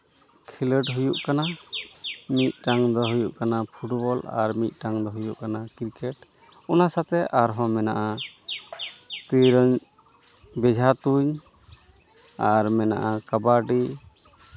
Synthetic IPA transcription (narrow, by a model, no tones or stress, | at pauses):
kʰiləʈɦujuʔkana | mit̪̚ˀʈaŋd̪ɔɦujuʔkanapʰuʈbɔla̰ɾmit̪̚ˀʈaŋd̪ɔɦujuʔkanakiɾkɛʈ | ɔnasat̪ɛʔaɾɦɔ̃mɛnaʔa | t̪iɾɔɲ | bɛd͡ʒʱat̪uɲ | aɾmɛna̰ʔakabaɖi